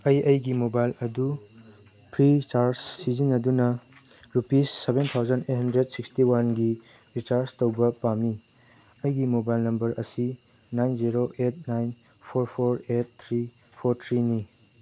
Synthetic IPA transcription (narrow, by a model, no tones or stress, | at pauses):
ɐjɐjɡimobajlɐdu | pʰɾit͡ʃaɾssizinɐdunɐ | ɾupisːebent̪ʰawzɐnet̚hɐndɾedsikstiwanɡi | ɾit͡ʃaɾstɐwbɐpamːi | ɐjɡimobajlnɐmbɐɾɐsi | najnziɾoʔet̚najn | pʰoɾpʰoɾet̚t̪ʰɾi | pʰoɾt̪ʰɾini